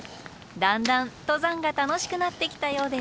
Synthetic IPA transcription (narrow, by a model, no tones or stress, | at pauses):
d̪ãnd̪ãnt̪o̞zãŋɡat̪ano̞ɕi̥kɯ̟nat̪ːe̞kʲi̥t̪ajo̞ːd̪e̞s